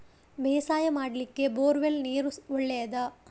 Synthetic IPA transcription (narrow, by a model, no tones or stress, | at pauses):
bɛːsaːjɐmaːɽɐlikːe̞boːɾʋelniːɾuɔɭːejɐd̪ɐ